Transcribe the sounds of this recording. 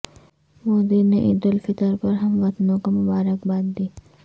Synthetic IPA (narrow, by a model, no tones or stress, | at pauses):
mod̪ineʔid̪olfit̪aɾpɔɾɦamlat̪nokomobaɾakbad̪d̪i